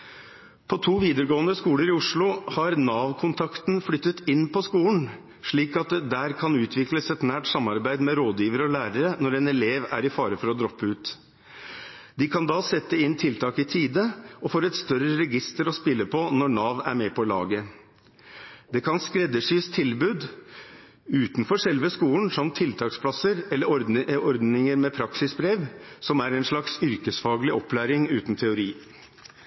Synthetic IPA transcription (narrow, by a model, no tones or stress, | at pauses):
pʰɔt̪ʰuːʋiːd̪əɾɡoːnəskuːləɾɪʊʂɭʊhɑɾnɑːʋkʰʊnt̪ʰɑkt̪nflʏt̪ːət̪ɪnːpʰɔskuːln̩ | ʂɭiːkɑt̪d̪æːɾkʰɑnʉːt̪ʰʋɪkləsɛt̪næːʈsɑmɑɾbæɪd̪mɛɾoːd̪jiːʋəɾəɔlæːɾəɾənɔɾɛnɛleːʋæ̰ɾɪfɑːɾəfɔɾɔd̪ɾɔpːəʉːt̪ | d̪ɪkʰɑnd̪ɑːsɛt̪ːəɪnt̪ʰɪlt̪ʰɑːkɪt̪ʰiːd̪əɔfoːɾɛt̪st̪œɾəɾɛɡɪst̪əɾɔspɪlːəpʰɔnɔɳɑːʋæ̰ɾmɛpʰɔlɑ̰ːɡə | d̪ɛkʰɑnskɾɛd̪ːəʂyːst̪ʰɪlbʉːd̪ | ʉːt̪nfɔʂɛlʋəskuːnsɑmt̪ʰːɪlt̪ʰɑːkspʰlɑsəɾɛlːəɾɔɔɾd̪nɪŋəɾmɛpʰɾɑksɪsbɾeːʋsɔmæɾɛnʂɭɑksʏɾkəsfɑːɡəlɪʔɔplæːɾɪŋʉːt̪nt̪ʰɛʊɾiː